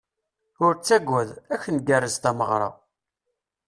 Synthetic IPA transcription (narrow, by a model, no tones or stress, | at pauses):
ʊɾt͡sːæɡʷːæðæçənɡærːəzt̪æməʁɾˤɑ̰